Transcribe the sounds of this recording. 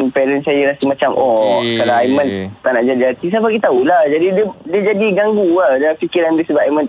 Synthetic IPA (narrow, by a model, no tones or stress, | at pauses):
pɛɾɛnsajaɾasimãt͡ʃamʔɔkalaamãnt̪anaʔd͡ʒadiat̪is̬apaɡit̪aulahd͡ʒadidədiəd͡ʒadiɡaŋɡuadalafikiɾanbisəbaʔaimãn